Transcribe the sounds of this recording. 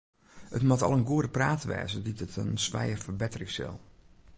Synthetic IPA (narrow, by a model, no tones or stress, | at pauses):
ətmatɑ̰lˠənɡuədəpraːtʋɛ̰ːzəditətənsʋɛ̰jərfərbɛtərɪŋsɪ̰lˠ